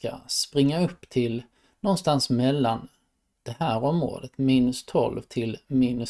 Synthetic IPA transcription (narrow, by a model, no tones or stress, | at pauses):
ka̰spɾɪŋːaɵpːt̪ʰɪl | nɔnst̪ansmɛlːan | d̪̥ɛhæːɾɔmːɾo̰ːd̪ət̪miːnɵst̪ʰɔ̰lvt̪ʰɪlmiːnɵ